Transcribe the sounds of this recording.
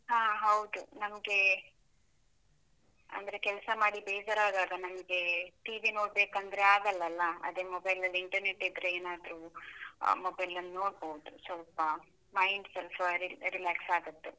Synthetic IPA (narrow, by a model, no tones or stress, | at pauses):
ɦãːɦɐwd̪unɐmɐɡe̞ | ɐ̰nd̪ɐɾe̞kɛlɐsɐmaːɽibeːd͡ʒɐɾaːɡ̪aːɡɐnɐmɐɡe̞ʈiːʋino̞ːɽbeːkɐnd̪ɐɾeaːɡɐlːɐlːɐɐ̰d̪eːmobɐjlɐlːiɳʈɐɾneʈːid̪ɾeeːnaːd̪ɾu | moːbɐjlɐnːno̞ːɽbowd̪usʋɐlpɐ | mɐjnselfɾiɾilaːksaːɡɐt̪ːu